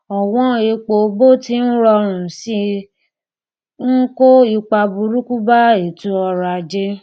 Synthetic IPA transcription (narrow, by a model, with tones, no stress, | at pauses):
ɔ˨w̃ɔ̃˦e˨˧k͡po˨bo˦˨ti˧n̩˦ɾɔ˧ɾ̃ũ˨si˧˦ | ŋ̩˦ko˦i˧k͡pa˧bu˧ɾu˦ku˦ba˦e˨tu˨˦ɔ˧ɾa˧˨d͡ʒe˦